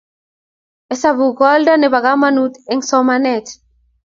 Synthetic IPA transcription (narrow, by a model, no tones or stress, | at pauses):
esaβuɣɔld̪aneβaɣamanut̪eŋsɔmanɛt̪